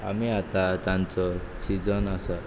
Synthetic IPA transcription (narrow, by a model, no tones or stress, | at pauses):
a̰miat̪at͡sant͡sosid͡zʌnasʌ